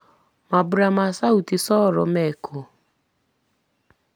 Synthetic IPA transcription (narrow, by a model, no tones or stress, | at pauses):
mabʊɾamasautisɔːɾɔ̰mɛkʰo